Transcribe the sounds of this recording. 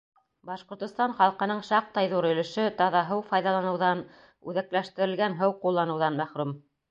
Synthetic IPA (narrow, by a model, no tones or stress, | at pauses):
bɑʃqŏɾt̪ŏst̪ɑnχɑlˠqɤ̆nɤɴʃɑq̚t̪ɑjðuɾɵ̆lɘ̆ʃɘt̪ɑðɑɦɤwfɑjðɑlˠɑnɤ̆wðɑn | ʉðæklæʃt̪ɘ̆ɾɘ̆lɡænɦɤwqulˠːɑnɤ̆wðɑnmæχɾum